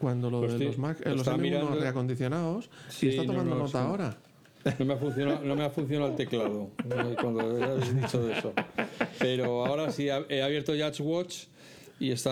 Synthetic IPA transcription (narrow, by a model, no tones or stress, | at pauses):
kwand̪oloðoðset̪ozmaksḛelos̬amiɾɾanoreako̞nd̪iθjonaossieit̪anoand̪onot̪aoɾa | no̞meafunθjonano̞me̞afun̟θjonaalt̪e̞klaðonkwand̪oeazðit͡ʃoðeso̞pe̞ɾoao̞ɾasiaeaβje̞ɾt̪oʝat͡ʃɣwot͡ʃ | ie̞st̪a